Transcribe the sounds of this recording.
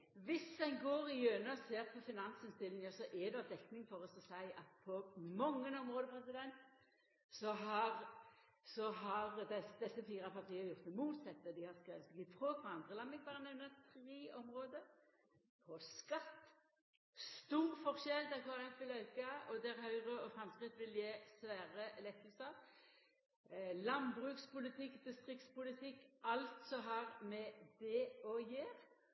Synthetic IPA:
ʋɪsɛɪnɡoːʁɪjøːnəɔseːʁpʰɔfɪnɑnsɪnst̪ɪlːɪŋəsɔʔɛd̪ɛɑʋd̪ɛknɪŋfɔʁɔsɔsæɪɑt̪̚pʰɔmɔŋːənɔmʁoːd̪əpʰʁɛsɪd̪ɛnt̪ | sɔɦɑʁ | sɔɦɑʁd̪ɛsd̪ɛsːəfiːɾɑpʰɑʁt̪ʰiːəjʊʁt̪ːɛmuːt̪sɛt̪ːəd̪ɪhɑʁskɾeːʋət̪ɡ̪ɪfʰʁuːkʰʋɑɑnd̪ʁəlɑmbɪɡ̚bɑːɾənɛʋnət̪ʰɾiːɔmʁoːd̪ə | pʰɔskɑt̪ː | st̪uːʁfɔʁʃɛld̪ɛʁkʰɔɛʁɛfʋɪlœʏkɑɔd̪æɾɦœʏʁəɔfɾɑmskʁɪt̪ːʋɪljeːsʋæːʁəlɛk̪ːəlsɑʁ | lɑnbʁʉːkspʰʊlɪt̪ʰɪkːd̪ɪst̪ʁɪk̚t̪spʊlɪt̪ʰɪkːʔɑlt̪sɔɦɑʁmɛd̪ɛɔjeːʁ

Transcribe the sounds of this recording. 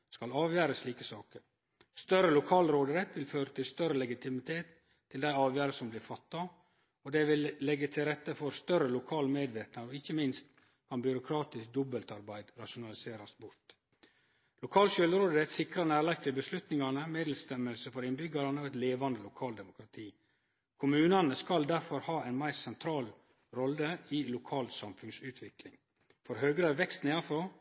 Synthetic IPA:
skɑlɑːʋjæːɾəsliːkəsɑːkəɾ | st̪œɾəlʊkʰɑːlɾoːd̪əɾɛt̪ʋɪlføːɾət̪ʰɪlst̪œɾəlɛɡɪt̪ʰɪmɪt̪ʰeːt̪ʰː | ɪld̪æɪɑːʋjæːɾəsɔmblɪfɑt̪ːɑ | ɔd̪ɛʋɪlːɛɡːət̪ʰɪlɾɛt̪ːəfɔɾst̪œɾəlʊkʰɑːlmeːd̪ʋeːk̪nɑɾɔɪçːəmɪnst̪ | kʰɑnbʏɾʊkʰɾɑːt̪ɪsk̚d̪ɔbəlt̪ɑɾbæɪd̪ɾɑʂʊnɑlɪseːɾɑsbʊɾt̪ | lʊkʰɑːlʃœːlɾoːd̪əɛt̪sɪkɾɑnæːɾlɑɡ̚t̪ʰɪlbəslʉt̪nɪŋɑnəmeːd̪l̩st̪ɛməlsəfɔɾɪnbʏɡɑɾɑnəɔɛt̪leːʋɑnd̪əlʊkʰɑːld̪ɛmʊkɾɑt̪ʰiː | kʰʊmʉːnɑnəskɑld̪æɾfɔɾhɑːæɪnmæɪɾsɛnt̪ʰɾɑːl | ɾɔləilʊkʰɑːlsɑmfʉnsʉːt̪ʰʋɪklɪŋ | fɔɾɦøːɡɾəʋɛkst̪neɑfɾoː

